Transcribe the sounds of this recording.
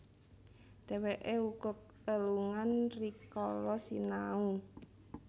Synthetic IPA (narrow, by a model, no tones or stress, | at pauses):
d̥eweʔeukʊk̚ | əluŋanrikɔlɔsinau